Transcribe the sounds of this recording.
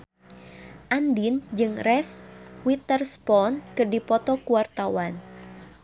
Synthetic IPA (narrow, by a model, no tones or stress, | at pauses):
ʔandind͡ʒɨŋrɛswit̪ərspɔnkɨrdipɔt̪ɔkuwart̪awan